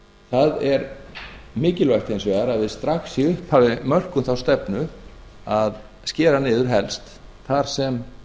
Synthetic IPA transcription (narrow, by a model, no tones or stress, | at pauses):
θaðɛɾ | mɪːcɪlvɛhxt̪hejnsvɛɣaɾaðvɪðst̪ɾaxsiʏhphavɪmœr̥kʏmθawst̪ɛpnʏ | að | scɛːɾanɪːðʏɾ̥ɦɛlst̪ | θaɾ̥sɛm